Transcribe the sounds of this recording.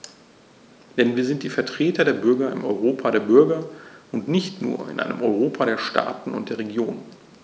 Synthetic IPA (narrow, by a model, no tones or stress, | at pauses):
d̥ɛnviːɐzɪnt̚d̥iːfɛɐtʁ̥eːtɐdeːɐbʏɐɡɐɪ̰mʔɔʏʁoːpʰadeːɐbʏɐɡɐʊntnɪçtnṵːɐɪ̰nʔa̰ɪnəmʔɔʏʁ̞oːpʰaɾeːɐʃtʰa̰ːtn̩ʊ̰nt̚d̥eːɐʁ̞eɡjoːnən